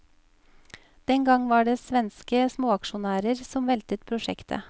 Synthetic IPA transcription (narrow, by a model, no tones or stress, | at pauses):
d̪̥ɛŋɡɑŋʋɑːɖeːsʋɛnskəsmoːɑkʃʊnæːɾəɾsɔmʋɛlt̪ət̪̚pʰɾʊʃɛ̰kt̪ʰə̰